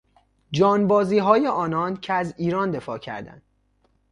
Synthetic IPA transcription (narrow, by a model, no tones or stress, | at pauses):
d͡ʒɒːnbɒːziːɦɒːjeʔɒːnɒːncʰeæziːɾɒːnd̪e̞fɒːcʰæ̰ɾd̪æ̰nd̪̥